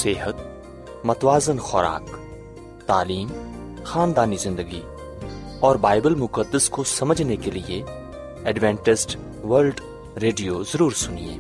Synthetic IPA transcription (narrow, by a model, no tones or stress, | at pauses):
seːɦət̪ | mɐt̪waːzənxɔɾa̰ːk | t̪aːliːmxaːnd̪aːnizɪ̃nd̪əɡi | ɔːɾbaːɪbəlmʊkəd̪ːəskosɐməd͡ʒʱnekelie | ɛɖʋɛ̃ːɳʈɪsʈ | ʋəɾlɖ | ɾeːɖijozɐɾuːɾsʊniḛ̃ː